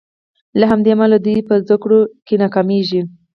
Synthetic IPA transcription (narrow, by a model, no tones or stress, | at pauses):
laɦamd̪emalad̪ujpəzd̪akɽokenakameʒi